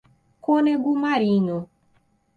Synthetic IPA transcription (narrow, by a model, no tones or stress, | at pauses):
koneɡumaɾiɲo